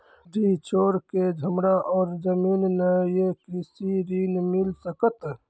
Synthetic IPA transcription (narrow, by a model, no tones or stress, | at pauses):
ɖiːt͡ʃoːɾked͡ʒʱəmɾaʔɔːɾd͡ʒəmiːnnəjekɾisiɾiːnmilsəkət̪